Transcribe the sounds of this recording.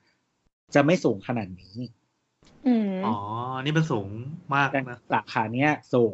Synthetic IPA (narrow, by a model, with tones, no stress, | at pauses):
t͡ɕa˨˩ma˥˩jsuː˩˦ŋkʰa˧naː˨˩t̪̚niː˦˥ | ʔɯː˧˩ʔɔː˩˦˧niː˥˩me˧nsuː˩˦ŋmaː˥˩k̚t̪ɛː˨˩na˦˥saː˨˩˦kʰaː˩˦ni˦˥ɐsuː˨˩˦